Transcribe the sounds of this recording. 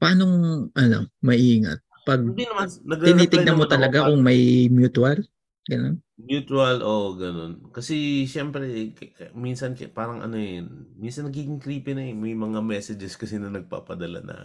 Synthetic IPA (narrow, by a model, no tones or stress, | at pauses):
pɐʔaːnoŋʔɐla̰mmɐʔiːŋɐ̰t̪̚pɐɡ̚d̪inɐmannɐɡ̪ɪnit̪ɪɡnɐmot̪ɐlɐɡakʊŋmɐjmjuːt̪wɐl | ɡɐno̞n | mjuːt̪wɐlʔoʔɡɐno̞nkɐsɛʃɛmpɾɛkkɐminsɐnkɐpaːɾɐŋʔɐ̰noɛminsɐnːɐɡiːɡɪŋkɾiːpɪnɐɛmɐjmɐŋamɛsɛd͡ʒɛskɐsɛnɐnɐɡ̚pa̰ːpɐd̪ɐla̰nɐ̰